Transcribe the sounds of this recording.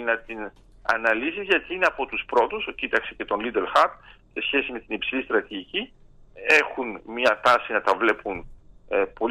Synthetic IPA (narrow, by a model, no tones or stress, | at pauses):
nɐt̪in | ɐ̰nɐlisizʝɐt̪iineɐpo̞t̪uspɾo̞t̪uscit̪ɐksece̞t̪o̞nlid̪e̞lxɐt̪̚se̞sçe̞sime̞t̪inipsilist̪ɾɐt̪iʝici | e̞xunmɲɐt̪ɐsinɐt̪ɐvle̞pun | po̞